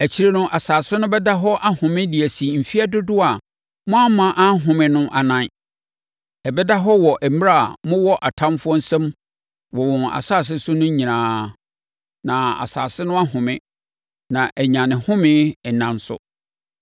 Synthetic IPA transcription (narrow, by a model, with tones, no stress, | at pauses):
æ˨t͡ɕʰi˦ɾe˦nʊ̃˦ʔa˨saː˨sɪ˦nʊ̃˦bɛ˦da˦ɦɔ˦ʔa˦hʊ̃˨mɪ̃˦dɪ˨æ˨si˨m̩˨fi˦a˦dʊ˦dʊ˦a˨ | mʊ̃˦a˦mã˨ʔa˦ɦʊ̃˨mɪ̃˦nʊ̃˦ʔa˨nã˦˨n˨ | ɛ˨bɛ˦da˦ɦɔ˦wɔ˨ʔɛ˨m˦ɾa̰˦˨mʊ̃˦wɔ˦ʔa˨tʰã˦mfʊ˦ɔ˦n̩˦sɛ̃˦m | wɔ˨wɔ̃˨na̰˨saː˦˨s̬ɪ˦sʊ˦nʊ̃˦ɲĩ˨nãː˨˦ | nã˨a̰˨sa̰ː˨sɪ˦nʊ̃˦a˦ɦʊ̃˨mɪ̃˦ | nã˨ʔæ˨ɲã˨nɪ̃˨hʊ̃˦mɪ̃˦ɛ˨nã˨n̩˦sʊ̰˦